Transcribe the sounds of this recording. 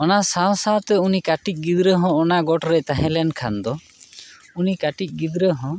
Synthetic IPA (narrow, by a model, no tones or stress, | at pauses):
ɔnasawsawt̪ɛunikaʈic̚ˀɡid̪ɾəɦɔ̃ɔnaɡɔʈɾɛt̪aɦɛ̃lɛnkʰand̪ɔ | unikaʈic̚ˀɡid̪ɾəɦɔ̃